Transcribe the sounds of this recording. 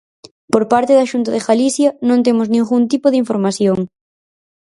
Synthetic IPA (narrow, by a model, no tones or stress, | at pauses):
poɾpaɾt̪eðaʃunt̪ɐðɪɣaliθjɐnõŋt̪̬emʊznĩŋɣunt̪ipoðiɱfoɾmaθjoŋ